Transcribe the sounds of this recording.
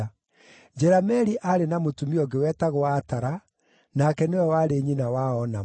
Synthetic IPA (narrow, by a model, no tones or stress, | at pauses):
d͡ʒɛɾamɛɾiʔaɾenamotumiɔɡewɛtaɣoataɾa | nakɛnewɛwaɾeɲinawaɔna